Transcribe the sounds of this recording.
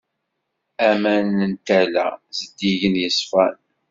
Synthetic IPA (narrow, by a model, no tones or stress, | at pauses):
æmænənt̪ælæ̰zəd̪iʝənjəsfæn